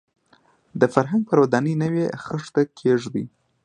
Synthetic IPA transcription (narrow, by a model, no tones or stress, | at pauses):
d̪əfaɾɦaŋɡ̚pəɾwad̪ɑnəjnəwexəʂt̪akʰeʐd̪ḭ